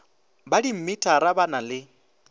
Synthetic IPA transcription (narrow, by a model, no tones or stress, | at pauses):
badim̩mitʼaɾabanalɪ